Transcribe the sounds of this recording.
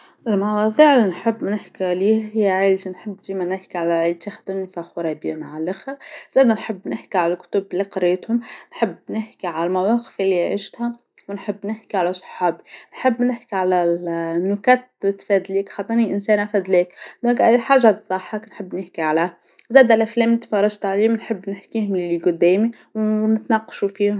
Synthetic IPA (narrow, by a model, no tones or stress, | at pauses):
ʔɪlmɑwɑðˤiːʕɪlːinħɪbːnɪħkiʕliːhɪjːæʕeːld͡ʒinħəbːd̪iːmænɪħkiʕalæʕelt̪æxd̪ʊnifæxʊɾˤɑbḭmaʕalʔɪxæz̥æːd̪ænħəbːnɪħkiʕalælkʊ̥t̪ʊbliqɑɾeːt̪hʊmnħəbːnɪħkiʕalælmawɑːqɪ̥fʔɪlːiʕḭʃt̪hæ | wnħəbːnɪħkiʕalæsˤɑ̥ħɑːbinħəbːnɪħkiʕalænːʊkæːt̪̚bt̪fæd̪liːkxɑt̪ˤːɑniʔɪnsɛːnʔafæːd̪liːkd̪ɔ̃ːŋkʔæd̪iħaːʒːad̪ˤːɑħːɑknħəbːnɪħkiʕalæh | zæːd̪lʔæflɛːmt̪fɑrˤːɑʒt̪ʕaliːmnħəbːnɪħkiːhʊmlɪliɡʊd̪ːɛːmi | wnɪt̪nɑːqɑ̥ʃufiːhʊm